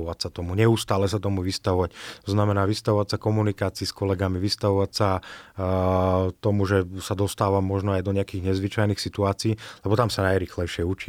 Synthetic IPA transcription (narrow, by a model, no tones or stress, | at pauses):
ɔʋacsat̪ɔmuɲɛust̪aːlɛsat̪ɔmuʋist̪aʋɔʋact̪ɔznamɛnaːʋist̪aʋɔʋasakɔmunikaːt͡siːskɔlɛɡamiʋist̪aʋɔʋacsa | t̪ɔmuʒɛsad̪ɔst̪aːʋamːɔʒnɔajd̪ɔɲɛakiːɣɲɛzʋit͡ʃajnixsit̪uaːt͡siːlɛbɔt̪amsanajɾiːxlɛjʃɪɛut͡ʃi